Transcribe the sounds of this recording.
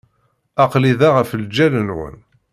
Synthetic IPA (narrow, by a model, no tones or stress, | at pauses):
ɑqliðaʁəfəld͡ʒːælənwə̰n